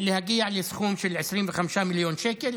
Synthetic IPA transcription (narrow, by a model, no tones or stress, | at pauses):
lːihaɡiːaʕlɪsxuːmʃɪlʕɪʃɾiːnwɪxamʃamɪljoːnʃeːkɪl